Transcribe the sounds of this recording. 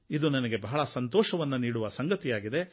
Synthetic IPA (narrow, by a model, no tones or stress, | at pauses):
id̪unɐnɐɡe̞bɐɦɐɭɐsɐnt̪oːʃɐʋɐnːuniːɽuʋɐsɐŋɡɐt̪ijaːɡid̪e̞